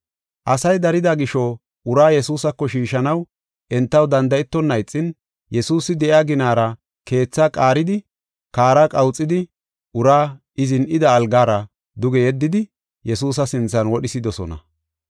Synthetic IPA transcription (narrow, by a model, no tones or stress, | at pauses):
ʔɐsɐjd̪ɐɾɪd̪aɡɪʃɔ | ʊɾaːjɛsuːsɐkːɔʃiːʃɐnɐw | ʔɛnt̪ːɐwd̪ɐnd̪ɐɛt̪ːɔnːɐjt͡sʼːɪn | jɛsuːsɪd̪ɛʔɪaːɡɪnaːɾɐ | ke̞ːt͡sːakʼaːɾɪd̪ɪ | kaːɾakʼɐwt͡sʼːɪd̪ɪ | ʔʊɾaː | ɪzɪnʔɪd̪ɐːlɡaːɾɐ | d̪ʊɡɛjɛd̪ːɪd̪ɪ | jɛsuːs̬ɐsɪnt͡sːɐnwɔɗɪsɪd̪ɔsɔ̰nɐ̰